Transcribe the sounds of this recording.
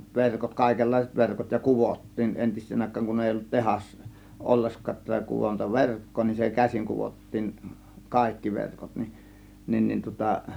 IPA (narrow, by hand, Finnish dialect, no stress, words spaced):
ʋerkot kɑˑe̝kelːɑiset ʋerkot jɑ kuʋotːiːn ʔentisˑeːn ɑˑe̝kːɑːŋ kun eˑi olːut tehɑs olːeskɑː kuʋontɑ ʋerkːoː nin se kæsiŋ kuʋotːiːŋ kɑˑe̝kːi ʋerkot nin nin ni tŭŏtɑ